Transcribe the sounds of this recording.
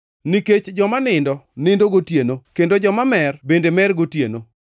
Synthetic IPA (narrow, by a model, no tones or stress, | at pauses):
niket͡ʃd͡ʒɔmanɪndɔnɪndoɡotjenokendod͡ʒɔmamɛrbendemɛrɡotjḛno